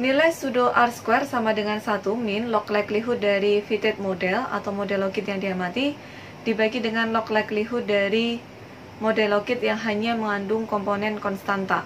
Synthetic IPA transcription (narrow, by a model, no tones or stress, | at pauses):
nilajst̪udoʔarskwɛrsamadəŋansat̪umɪnlɔklajkliɦʊt̪̚daɾifit̪ɛt̪̚modɛla̰t̪awmodɛlokɪt̪̚jaŋdiamat̪i | d̥ibaɡidəŋanlɔklakliɦʊt̪̚daɾi | modɛlokɪt̪̚jaŋɦaɲaməŋandʊŋkɔmponɛnkɔnst̪ant̪a